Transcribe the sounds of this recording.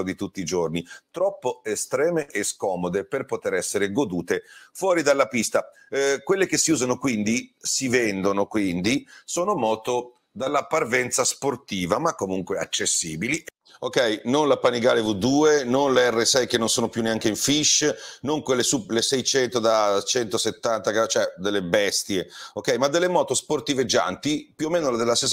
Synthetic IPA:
od̪it̪ut̪ːiːd͡ʒornit̪ɾɔpːoest̪ɾɛːmeʔeskɔːmod̪eperpot̪eɾɛsːeɾeɡod̪uːt̪efwɔːɾid̪alːapist̪a | kwelːek̟esːiuːzanokwind̪isivɛnd̪onokwind̪isoːnomɔːt̪o | d̪alːapːarvɛnt̪sasport̪iːvamakːomuŋkwea̰t͡ʃːesːiːbili | okɛjnonlapaniɡaːlevud̪uːenonleɛrːesɛjkenːonsoːnopjuneaŋkeiɱfiʃnoŋkwelːesuplesɛjt͡ʃɛnt̪od̪at͡ʃɛnt̪oset̪ːant̪aɡat͡ʃoɛd̪elːebɛst̪jeokːɛjmad̪ːelːemɔːt̪osport̪ived͡ʒːa̰nt̪ipjuomeːnolad̪elases

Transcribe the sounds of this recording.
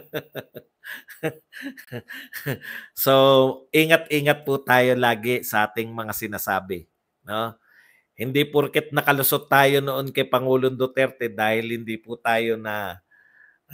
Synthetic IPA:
soʔiːŋɐt̪ʔiːŋɐt̪̚pʊt̪aːjo̞laːɡɪsɐʔaːt̪ɪŋmɐŋasɪnaːsaːbɪ | no̞ | hɪnd̪ipʊɾkɪt̪̚nɐkɐlʊsod̪̚t̪aːjo̞noʔonkɐjpɐŋuːlond̪ot̪ɛɾt̪ɛd̪aːhɪlhɪnd̪ipʊt̪aːjo̞nɐ

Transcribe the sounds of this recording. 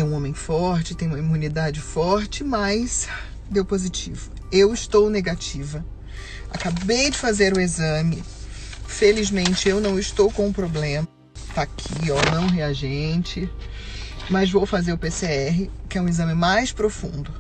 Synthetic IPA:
jũõmẽj̃fɔɾt͡ʃɪ̥t̪ẽj̃ũmɐimunid̪ad͡ʒɪfɔɾt͡ʃɪmɐjs | d̪ewpozit͡ʃḭvʊ | ewɪst̪owneɡat͡ʃivɐ | akabejd͡ʒɪfazeɾʊezɐ̃mɪ | felizmẽnt͡ʃɪewnɐ̃w̃ɪst̪owkõw̃ʊ̃pɾoblẽmɐ | t̪aːkʰiownɐ̃w̃ɦeaʒẽt͡ʃɪ | mɐzvowfazeɾʊpeseɛɦɪkɪɛũezɐ̃mɪmajspɾofṵ̃nd̪ʊ

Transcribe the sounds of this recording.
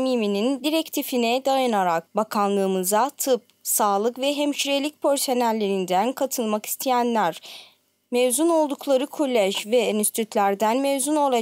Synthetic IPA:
miminind̪iɾɛct̪ʰifinɛd̪ajanaɾak̚bakʰanlˠɯːmɯzat̪ʰɯp̚saːlˠɯkvɛɦɛmʃiɾelʲic̚pʰøɾso̞nælʲːe̞ɾind̪ænkʰat̪ʰɯlˠmaki̥st̪ʰijænlʲæɾ̥ | mevzuno̞lˠd̪uklˠaɾɯkʰolʲːɛʒvɛenist̪ʰyt̪lʲæɾd̪ænmevzuno̞lˠa

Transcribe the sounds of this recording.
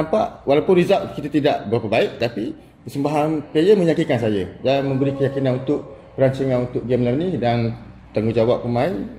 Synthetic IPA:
nampaʔwalapʊnrizaʔ̚kit̪at̪idaʔbəɾapəbaɪʔ̚t̪api | pəsəmbaɦankajəmə̃ɲakikansajədanmə̃mbəɾikəjakinanunt̪ʊʔ̚ | pəɾaɲt͡ʃəŋanunt̪ʊʔɡɛmlərnidan | t̪aŋɡud͡ʒawap̚pːəmain

